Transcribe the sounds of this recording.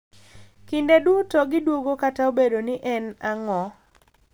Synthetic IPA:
kindeduotɔɡɪdwoɡokataobedonɪʔɛnaŋɔ

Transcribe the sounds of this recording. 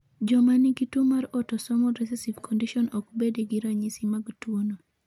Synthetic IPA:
d͡ʒɔmaniɡitumaɾɔtɔsɔmɔɾɛs̬ɛsivkʰɔndiʃɔnɔkbedeɡiɾaɲisimaɡtwono

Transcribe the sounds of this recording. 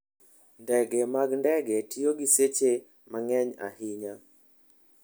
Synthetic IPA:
ndɛɡɛmaɡndɛɡɛtʰioɡiset͡ʃe | maŋɛɲa̰hɪɲa

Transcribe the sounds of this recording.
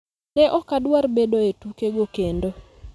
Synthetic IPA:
nɛʔɔkadwaɾbedoetukeɡokendo

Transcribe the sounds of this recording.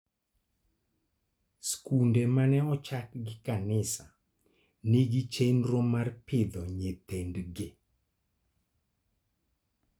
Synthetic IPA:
skundemanɛɔt͡ʃakɡɪkanɪsa | nɪɡɪt͡ʃenɾɔmarpʰɪd̪ɔɲet̪endɡe

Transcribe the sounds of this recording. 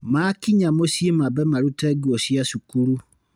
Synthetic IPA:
makiɲamosjemabɛmaɾutɛɡuɔsiaʃukuɾu

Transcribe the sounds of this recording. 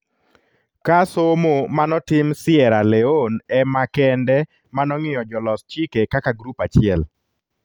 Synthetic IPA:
kasomomanɔtɪmsɪɛɾalɛonɛmakɛndɛ | manɔŋɪjɔd͡ʒɔlɔst͡ʃikekakaɡɾupat͡ʃɪɛl

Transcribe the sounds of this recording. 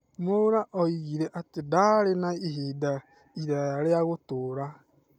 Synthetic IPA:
moɾaʔɔiɣiɾeʔatɪdaɾenaiɦida | iɾaɾeaɣʊtuɾa

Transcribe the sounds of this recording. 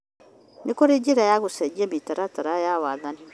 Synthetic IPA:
nekoɾed͡ʒeɾajaɣosɛɡiɛmitaɾataɾajawaːðani

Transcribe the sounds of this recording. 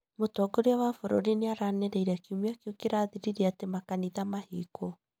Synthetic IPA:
motɔɡoɾeawafoɾo̰ɾineaɾanɛɾɛiɾakiumeakjukeɾaːðiɾiɾiatemakaniðamahikʰo

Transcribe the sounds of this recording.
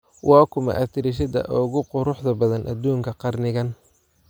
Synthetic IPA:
wʔɑːkʰʊmɐ̰ʔɐt̪ʰɪɾɪʃ̬ɐd̪ɐ̰ʔɔɣʊqʊɾʊħðɐbɐðɐnʔɐ̰d̪uːŋkʰɐqɑrnɪɣɐn

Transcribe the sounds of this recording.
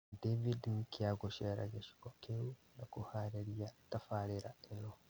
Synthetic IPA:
devidnkiaɡɔʃɛɾa̰d͡ʒaʃi̥ɡɔkʰewunakɔhaɾeɾijatafaɾɛɾaɛnɔ

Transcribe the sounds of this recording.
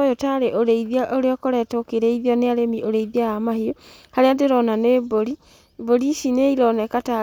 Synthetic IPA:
jotaɾeʔoɾeiðiaʔoɾeɔkoɾɛtokeɾɛiðiɔneaɾemiʔoɾeiðiajamahio | haɾeandeɾɔnaneboɾi | boɾiʃineiɾɔnɛkata

